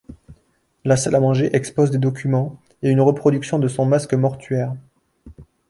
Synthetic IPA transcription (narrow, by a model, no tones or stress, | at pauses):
lasalamɑ̃ʒeʔɛkspozd̪ed̪ɔkʲymɑ̃ | eynʁəpχɔd̪yksjɔ̃d̪əsɔ̃maskmɔʁt̪ɥɛːʁ